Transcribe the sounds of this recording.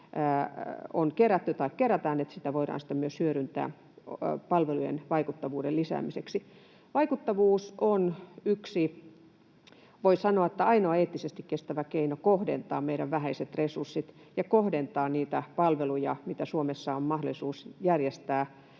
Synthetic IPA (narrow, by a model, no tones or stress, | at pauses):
o̰nkeɾæt̪ːyt̪ɑikkeɾæt̪æːnet̪sit̪æʋoiɾɑ̰ːnsi̥t̪æmyøshyøɾynt̪æ̰ː | pɑlʋelujḛnʋɑikut̪ːɑʋuːdelisæ̰ːmiseksi | ʋɑikut̪ːɑʋuːsonyksi | ʋoisɑnoɑet̪ːæɑinoɑeːt̪ːisest̪ikkest̪æʋækeinokohdḛnt̪ɑːmeiɾæʋʋæɦæiset̪resursːit̪ | jɑkohdent̪ɑːniːt̪æpɑlʋelujɑ̰mit̪æsuomesːɑommɑhdolisuːsjærjest̪æː